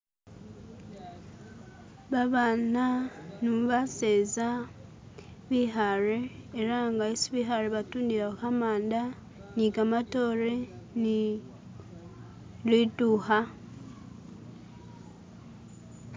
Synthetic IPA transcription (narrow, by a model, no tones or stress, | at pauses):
βaβananuβaseza | βiɦaɾeːɾaŋɡaisiβiɦaɾeβatuːndiɾaukamaːnda | nikamatoɾeni | lituha